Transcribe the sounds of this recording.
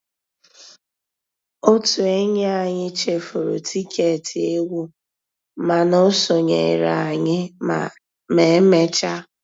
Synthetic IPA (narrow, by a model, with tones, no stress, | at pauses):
o˦tu˨e˦ɲ˦a˨ɲɪ˦t͡ʃe˨fo˨ɾʊ̰˨tʰi˦kʰe˦˨tʰi˨e˦wu˦ | ma˨no˦so˨ɲḛ˨ɾa˨ɲɪ˦ | me˨˦me˦t͡ʃa˦